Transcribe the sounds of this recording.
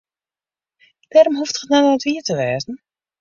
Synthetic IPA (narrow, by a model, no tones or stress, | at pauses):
d̥ɛrmɦuftχətnanəətʋiətəʋɛːzn̩